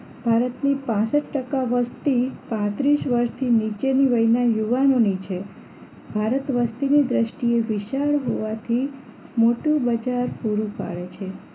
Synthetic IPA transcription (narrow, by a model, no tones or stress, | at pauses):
bʱaɾət̪nipãsəʈ̪ʈəkaʋəst̪ipãt̪ɾiʃʋəɾʃt̪ʰinit͡ʃeniʋəinajuʋanonit͡ʃʰe | bʱaɾət̪ʋəst̪inid̪ɾəʃʈieʋɪʃaɭɦoʋat̪ʰi | moʈubəd͡ʒaɾpuɾũpa̰ɭet͡ʃʰe